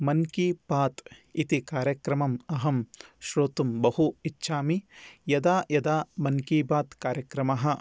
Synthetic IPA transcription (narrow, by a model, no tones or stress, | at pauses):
mɐnkibaːt̪it̪ikaːɾjɐkɾɐmɐmɐɦɐmʃɾoːt̪umbɐhuitːʃʰaːmijɐd̪aːjɐd̪aːmɐnkiːbaːt̪kaːɾjɐkɾɐmɐɦɐ̆